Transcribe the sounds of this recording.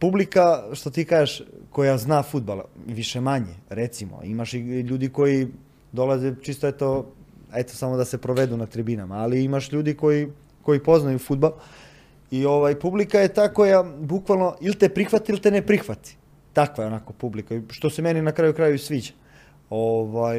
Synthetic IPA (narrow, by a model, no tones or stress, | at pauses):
publikaʃt̪ot̪iːkaːʒeʃko̞jaznaːfud̪̚bala̰ʋiʃemaɲḛɾet̪simo̰ḭmaʃiʎuːd̪iko̞ji | d̪o̞lˠazet͡ʃiːst̪oet̪oet̪osamod̪ase̞pɾoʋed̪unat̪ɾibinamaːliimaʃʎuːd̪iko̞ji | ko̞jipo̞znajufud̪̚bal | io̞ʋajpublikaje̞t̪aːko̞jabukʋalˠno̞ʔilt̪e̞pɾixʋat̪iilˠt̪enepɾixʋat̪i̥ | t̪akʋaeo̞nako̞publikaʃt̪o̞semeninakɾaːjukɾaːjusʋiːd͡ʑḁ | oʋaj